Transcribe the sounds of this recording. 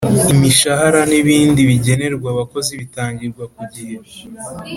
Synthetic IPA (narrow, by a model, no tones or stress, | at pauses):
imiʃahaɾaniβiːndiβiɟe̞ne̞ɾɡwaβako̞ziβitaːɲɟiɾɡwakuɟija